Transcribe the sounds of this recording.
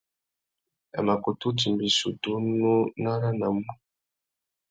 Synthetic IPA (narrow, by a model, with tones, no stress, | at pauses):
a̰˨ma˨ku˨tu˦ti˨mbi˨su˨tu˦nu˦na˦ɾa˦na˨mu˦